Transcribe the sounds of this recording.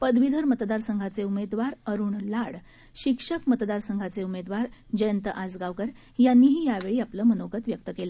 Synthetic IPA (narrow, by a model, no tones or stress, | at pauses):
pəd̪ʋid̪ʱəɾmət̪d̪aɾsəŋɡʱat͡seumed̪ʋaɾəɾuːɳlaɽ | ɕikʂəkmət̪d̪aɾsəŋɡʱat͡seumed̪ʋaɾd͡ʑəjənt̪əʔad͡zɡaʋkəɾ | janːiːɦiːjaʋeɭiːapləːmənoɡət̪ʋjək̚t̪əkelə